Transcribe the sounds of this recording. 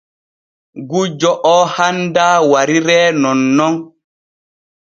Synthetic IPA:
ɡud͡ʒɔʔɔːhandaːwaɾiɾɛːnɔnːɔn

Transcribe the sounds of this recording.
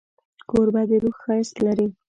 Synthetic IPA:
koɾbad̪eɾuxxaɪst̪laɾi

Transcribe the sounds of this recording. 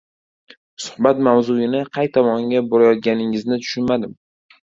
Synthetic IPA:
sʊ̥χbat̪mawzʊjɪnɪqʰɑjt̪ʰɒmɒŋɡʲaboɾajɒt̪̚ɡʲanɪŋɪznɪt̪ʰʊ̥ʃʊnmad̪ɪm

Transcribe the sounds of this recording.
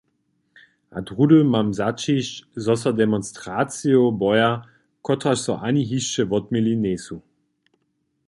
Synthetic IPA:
ʔadʁudlmamzat͡ʃiʃzɔsɐdɛmɔnstʁ̥aːt͡siobɔja | kʰɔtʁaʃsɔʔaniɦiʃt͡ʃəvɔt̚milineːsu

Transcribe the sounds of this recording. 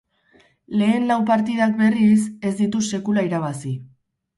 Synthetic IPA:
le̞ːnlawpaɾt̪ið̞ak̚be̞rise̞zd̪it̪use̞kulaiɾaβ̞asi

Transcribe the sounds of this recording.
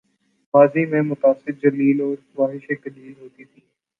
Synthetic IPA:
maːzimẽmʊt̪aːsɪɾd͡ʒɐliːlɔːɾʋaːɦɪʃekɐliːlɦoːt̪it̪ʰiː

